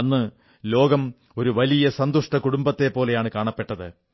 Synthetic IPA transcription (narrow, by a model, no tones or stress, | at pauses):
ɐnːɨ | lo̞ːɡɐm | o̞ɾuʋɐlijɐsɐnd̪uʂʈɐkuɽumbɐt̪ːepːo̞ːle̞jaːɳɨkaːɳɐpːe̞ʈːɐðɨ